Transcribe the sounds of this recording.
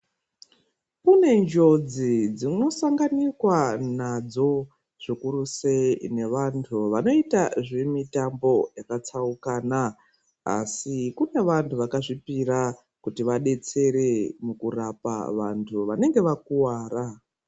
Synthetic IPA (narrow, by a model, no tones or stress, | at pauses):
kune̞nd͡ʒo̞d͡zid͡zino̞saŋɡanikwanad͡zo̞ | ʐ̥ikuɾuse̞ine̞ʋantʰuʋano̞itaʐemitambo̞jakat͡saukaːna | a̰sikune̞ʋantʰuʋakaʐipiɾa | kutiʋaɗe̞t͡se̞ɾe̞mukurapa̰ʋa̰ntʰuʋane̞ŋɡe̞ʋakuwaːra